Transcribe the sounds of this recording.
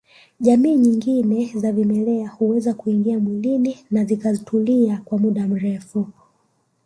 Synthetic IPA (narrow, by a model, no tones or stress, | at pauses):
ʄamiːɲiŋɡinɛzavimɛlɛahuwɛzakuiŋɡiamwilininazikazitʰuliakwamuɗam̩ɾɛfu